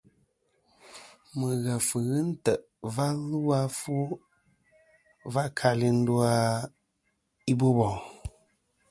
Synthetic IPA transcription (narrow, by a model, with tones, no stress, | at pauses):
mə˨ɣə˨fɨ˨ɣɨ˦n̩˦tə˨ʔ | va˦lu˦a˦fu˦ | va˦ʔkʰa˨li˨n̩˦du˦a˦ | i˦bo˦bɔ˨